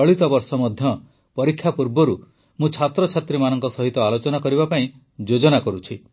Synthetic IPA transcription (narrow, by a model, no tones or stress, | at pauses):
ɔɭit̪ɔbɔɾsɔmɔd̪ʱjɔ | pɔɾikʰːjapuɾbɔɾu | mũt͡ʃʰat̪ɾɔt͡ʃʰat̪ɾimanɔŋkɔsɔɦit̪ɔalot͡ʃɔnakɔɾiβapaĩ | d͡ʒod͡ʒɔnakɔɾut͡ʃʰi